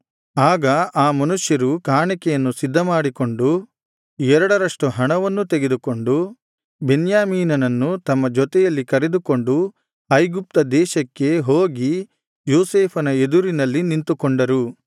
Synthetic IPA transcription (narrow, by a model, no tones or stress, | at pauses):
aːɡɐʔaːmɐnuʂjɐɾukaːɳikɛjɐnːusid̪ʱːɐmaːɽiko̞ɳɖu | ɛɾɐɽɐɾɐʂʈuɦɐɳɐʋɐnːut̪eɡe̞d̪uko̞ɳɖu | benjaːmiːnɐnɐnːut̪ɐmːɐd͡ʒɔt̪ɛjɐlːikɐɾed̪uko̞ɳɖu | ɐjɡup̚t̪ɐd̪ɛːʃɐkːe̞ɦoːɡi | joːseːpʰɐnɐed̪uɾinɐlːinint̪ukoɳɖɐɾu